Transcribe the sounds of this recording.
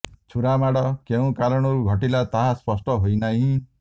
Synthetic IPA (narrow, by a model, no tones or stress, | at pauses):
t͡ʃʰuɾamaɽɔkeũkaɾɔɽ̃ɔɾuɡʱɔʈilat̪aɦaspɔsʈɔɦojnaɦĩ